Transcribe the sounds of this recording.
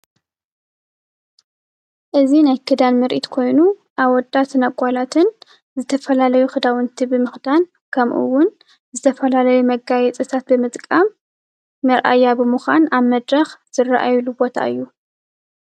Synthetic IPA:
ʔɨzinajkʰɨd̪anmɨɾʔit̪kʰo̞jnu | ʔaβɔd̪ːat̪ʰɨnakʼalat̪ʰɨn | zɨt̪ʰɐfɐlalɐjuxɨd̪awɨnt̪ʰibɨmɨxd̪an | kʰɐmʔɨ̰wːʊn | zɨt̪ʰɐfɐlalɐjumɐɡajɛt͡sʼɨt̪ʰat̪̚bɨmɨt̪ʼkʼamː | ɐɾʔa̰jːabɨmuxʷanaβmɐd̪ɾɐxz̥ɨrːaʔajlubo̞t̪ʰa̰ɨjːu

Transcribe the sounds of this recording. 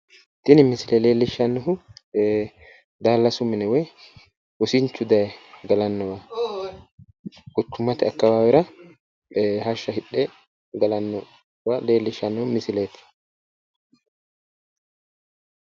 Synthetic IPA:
t̪ɪnɪmɪsɪlɛleːlːɪʃːɐnːʊɦʊ | d̪aːlːɐsʊmːɪnɛwɛ | ʊsɪɲt͡ʃːʊd̪ɐjɛɡɐlɐnːʊwa | ɡʊt̪ːʊmːɐt̪ɪɐkːɐwaːwɪɾɐ | ɦɐʃːɐhɪᶑːɛ | ɡɐlɐnːʊ | waleːlːɪʃɐnːʊhʊmɪsɪleːt̪ɪ̥

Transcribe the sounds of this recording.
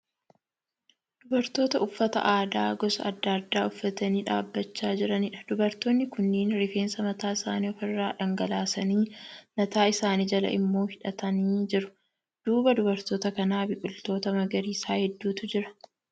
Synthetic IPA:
d̪̥ʊbɐɾt̪o̞ːt̪ɐʊfːɐt̪ɐ̰ʔaːd̪aːɡɔsɐ̰ɐd̪ːad̪ːaːʊfːɐt̪ɐniːᶑa̰ːbːɐt͡ʃːaːd͡ʒɪɾɐnɪᶑɐ̥d̪̥ʊbɐɾt̪oːnːɪkʊnːiːnɾɪfe̞ːnsɐmɐt̪aːɪsa̰ːniːɔfɪrːaːᶑɐŋɡɐlaːsɐniːmɐt̪aːɪsaːniːd͡ʒɐlɐ̰ʔɪmːo̞ːhɪᶑɐt̪ɐniːd͡ʒɪɾʊ̥ | d̪̥uːbɐd̪ʊbɐɾt̪o̞ːt̪ɐkɐnaːbɪkʼʊlt̪o̞ːt̪ɐmɐɡɐɾiːsaːhɛd̪ːuːt̪ʊd͡ʒɪɾɐ̥

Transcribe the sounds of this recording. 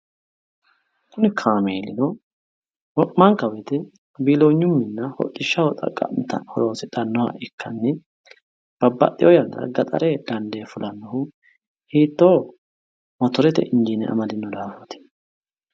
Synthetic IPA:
kʰʊnɪkʰaːmeːlɪnɔ | wɔʔmɐŋkɐwɛt̪ɛ | biːloːɲːʊmːɪnːɐhɔ̰tʼːɪʃːɐwɔt̪ʼɐ̰kʼːɐ̰t̪ɐ̰hɔɾoːsɪt̪ɐnːɔhɐ̰ʔɪkʰːɐnːɪ | b̥ɐbːɐ̰t̪ʼːɪjɔjɐnd̪ɐ̰ɡɐt̪ʼɐ̰ɾeɡɐnd̪eːfʊlʔɐnːɔhʊ | hiːt̪ːoː | mɔt̪ɔɾɛt̪ɛ̰ʔɪnd͡ʒiːnɛʔɐ̰mɐd̪ɪnːɔd̪aːfɔt̪ɪ̥

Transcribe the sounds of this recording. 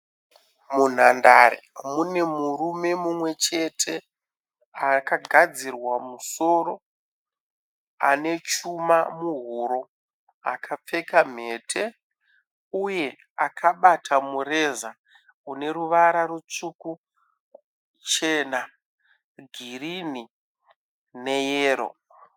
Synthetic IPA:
mun̤andaɾḛmune̞murume̞mumwe̞t͡ʃe̞tʰe̞ | akaɡʱad͡zirwamuso̞ɾo̞ | a̰ne̞t͡ʃumamuɦuɾo̞ | a̰kʰap͡fe̞kam̤e̞ːtʰe̞ | uje̞ | akʰaɓatʰamure̞za | une̞ɾuʋaɾaɾut͡ʂuku | t͡ʃe̞na | ɡʱirini | ne̞jeːɾo̰

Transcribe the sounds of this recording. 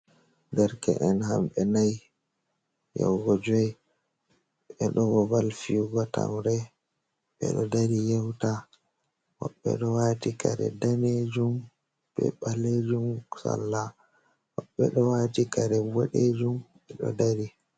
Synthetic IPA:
ɡaɾkɛ̰ʔɛnhamɓɛnaj | jɛ̰wɡɔd͡ʒɔj | ɓɛɗɔwɔbalfiɡɔta̰mɾɛ | ɓɛ̰ɗɔdaɾijɛwta | wɔ̰ɓːɛ̰ɗɔwaːtikaɾɛ̰daned͡ʒum | b̥ɛ̰ɓaled͡ʒumsa̰lːa | wɔɓːɛɗɔwatikaɾɛwɔɗed͡ʒumɓɛɗɔ̰daɾi

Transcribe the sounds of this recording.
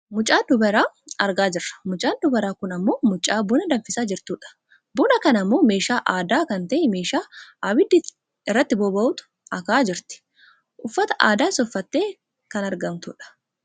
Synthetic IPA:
mʊt͡ʃʼaːd̪ʊbɐɾaː | ɐɾɡaːd͡ʒɪɾːɐ̥mʊt͡ʃʼaːnd̪ʊbɛɾaːkʊnɐmːo̞ːmʊt͡ʃʼːaːbʊnɐd̪ɐmfɪsaːd͡ʒɪɾt̪uːᶑɐ̥ | bʊnɐkɐnɐmːo̞ːme̞ːʃaːʔaːd̪aːkɐnt̪ɐʔɪme̞ːʃaːabɪd̪ːɪ | ɪrːɐt̪ːɪboːbɐʔʊt̪ʊ̥ | ɐkaːd͡ʒɪɾt̪ɪ̥ | ʔʊfːɐt̪ɐ̥ʔa̰ːd̪aːɪsɔfːɐt̪ːe̞ː | kɐnɐɾɡɐmt̪ʊ̰ᶑɐ̥

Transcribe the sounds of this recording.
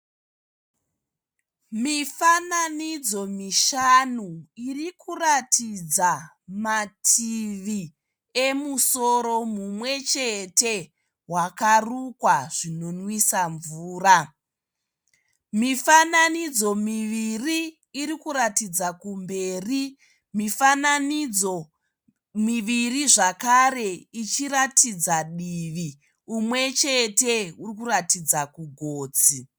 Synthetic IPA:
mifananid͡zo̞miʃanuirikuratʰid͡za | matʰiʋi | e̞muso̞ɾo̞mumwe̞t͡ʃe̞te̞ | wakarukwaʐ̥ino̞nwisaɱvuːra | mifananid͡zo̞miʋiriː | ɾikuɾatid͡zakumbe̞ːri | mifananid͡zo | miʋiriʐakare̞it͡ʃiɾatid͡zaɗiːʋi | umwe̞t͡ʃe̞teurikuratid͡zakuɡʱo̞ːd͡zi

